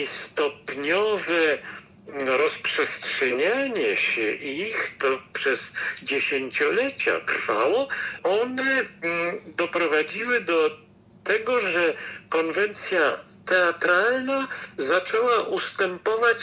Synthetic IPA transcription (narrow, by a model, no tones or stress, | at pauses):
ist̪ɔpɲɔvɛ | ɾɔspʂɛstʂɛɲaɲɛɕɛʔixt̪ɔpʂɛz̥d͡ʑeɕeɲt͡ɕɔlɛt͡ɕa̰t̪ɾfawɔɔnɛ | d̪ɔpɾɔvad͡ʑiwɘd̪ɔ | t̪ɛɡɔʐɛkɔnvɛnt̪sʲja | t̪ɛat̪ɾalnazat͡ʂɛwaʔust̪ɛmpɔvat͡ɕ